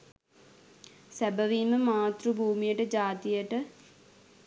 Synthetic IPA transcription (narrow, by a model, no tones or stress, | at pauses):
sæbəʋiːməmaːt̪rubʱuːmijəʈəd͡ʒaːt̪ijəʈə